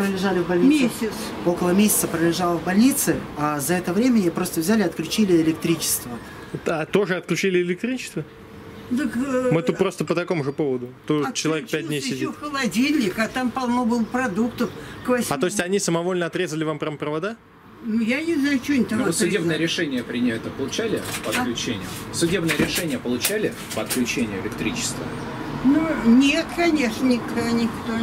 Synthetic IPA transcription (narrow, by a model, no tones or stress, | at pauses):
pɾəlʲɪʐalʲɪvbɐlʲnʲmʲesʲɪt̪s | o̞kəlˠəmʲesʲɪt̪səpɾəlʲɪʐalˠəvbɐlʲnʲit̪sɨazɐɛt̪əvɾʲemʲəepɾo̞st̪əvzʲælʲɪɐt̪̚klʲʉt͡ɕilʲɪɪlʲɪkt̪ɾʲit͡ɕɪ̥st̪və | at̪o̞ʐɨɐt̪̚klʲʉt͡ɕilʲɪɪlʲɪk̚t̪ɾʲit͡ɕɪ̥st̪və | d̪əkmɨupɾo̞st̪əpət̪ɐko̞mʊʐɨpo̞vəd̪ʊt̪ot͡ɕːɪlˠɐvʲekpʲɛt̚ʲd̪ʲnʲejsʲɪditkəlˠɐdʲilʲɪkat̪ampɐlˠnobɨlˠəpɾɐd̪ukt̪əfkvɐsʲɐt̪o̞ɪsʲtʲɐnʲisəmɐvo̞lʲnəɐt̪ɾʲe̞zəlʲɪvampɾʲampɾəvad̪a | nujanʲɪznajʊt͡ɕonʲt̪amsʊdʲebnɨjəɾʲɪʂɛnʲɪjəpɾʲɪnʲɛt̪əpəlˠʊt͡ɕælʲɪpəɐt̪lʲʉt͡ɕenʲɪjʊsʊdʲebnɨjəɾʲɪʂɛnʲɪjəpəlˠʊt͡ɕælʲɪ | pəɐt̪̚klʲʉt͡ɕenʲɪjʊɪlʲɪk̚t̪ɾʲit͡ɕɪ̥st̪və̰ | nunʲet̪kɐnʲeʂnənʲɪkanʲɪkt̪o